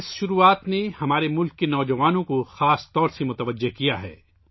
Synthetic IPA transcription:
ɪsʃʊɾuːaːt̪nehɐmaːɾemʊlkːenɔːd͡ʒɐʋaːnõkoxaːst̪ɔːɾsemʊt̪əʋəd͡ʒːeɦkijaɦɛ̰ː

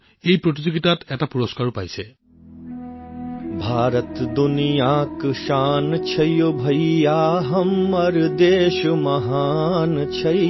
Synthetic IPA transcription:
ejpɹot̬izoɡitatɛtapuɹoskaɹupajsɛ | bʱaːɾət̪d̪unijaːkʃaːnt͡ʃʰɐjobʱɐjjaːɦɐmɐɾd̪eːʃmɐɦaːnt͡ɕʰɐ

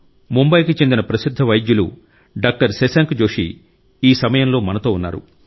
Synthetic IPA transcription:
mumbɐjkit͡ʃe̞nd̪inɐpɾɐsid̪ʱːɐʋɐjd̪julṵ | ɖaːk̚ʈɐɾsesaːŋkd͡ʒo̞ːʂḭ | iːsɐmɐjɐmlo̞ːmɐnɐt̪o̞ːunːa̰ːɾṵ

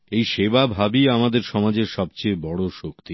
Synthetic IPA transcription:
ejʃebabʱabiamad̪eɾʃɔmad͡ʑeɾʃɔb̚t͡ɕebɔɽoʃokt̪i

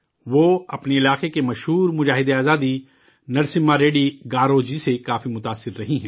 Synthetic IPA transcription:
ʋoːɐpneɪlaːqekemɐʃɦuːɾmʊd͡ʒaːɦɪd̪eaːzaːd̪i | nɐɾsɪmːaɾeːɖiɡaːɾoːd͡ʒisekaːfimʊt̪aːsːɪɾːɐɦiɦɛ̃ː

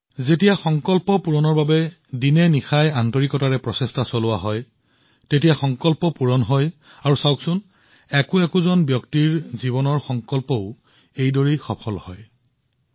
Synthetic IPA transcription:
zetijaxɔŋkɔlpɔpuɹɔnɔɹbabɛ | dinɛnixajantɔɹikɔtaɹɛpɹɔsestasolʊwaɦɔj | tetijaxɔŋkɔlpɔpuɹɔnɦɔj | aɹusawksʊn | ɛkʊɛkʊzɔnbjɔktiɹziβɔnɔɹxɔŋkɔlpɔʊ | ejdoɹixɔpʰɔlhɔ̰j

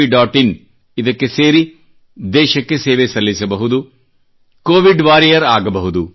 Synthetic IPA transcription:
iɖaːʈin | id̪ɐkːe̞seːɾi | d̪ɛːʃɐkːe̞seːʋesɐlːisɐbɐɦud̪u | koːʋiɖʋaːɾijɐɾaːɡɐbɐɦud̪u

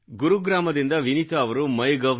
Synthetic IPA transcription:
ɡuɾuɡɾaːmɐd̪ind̪ɐʋinit̪ɐːʋɐɾumɐjɡɐʋ

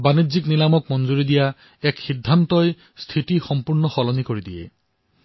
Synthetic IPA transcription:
banid͡ʒiknilamɔk̚mɔnd͡ʒuɾid̪ija | ɛkxid̪ʱːant̪ɔj | st̪ʰiʈixɔmpuɹnɔxɔlɔnikoɹid̪iḛ

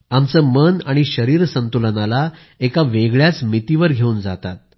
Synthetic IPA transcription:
amt͡səːmənaɽ̃iɕəɾiːɾsənt̪ulənala | ekaʋeɡɭjat͡smit̪iʋəɾɡʱeuːnd͡za̰t̪a̰t̪̚

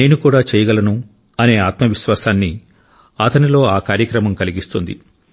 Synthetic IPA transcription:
ne̞ːnukuːɽaːt͡ʃɛːjɐɡɐlɐnu | ɐne̞ːaːt̪mɐʋiʃʋaːsaːnːi | ɐt̪ɐnilo̞ːaːkaːɾjɐkɾɐmɐmkɐliɡist̪und̪ḭ

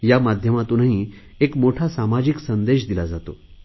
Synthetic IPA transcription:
jamad̪ʱjəmat̪unaɦi | ekmoʈʰasamad͡ʑiksənd̪eɕd̪ilad͡zat̪o

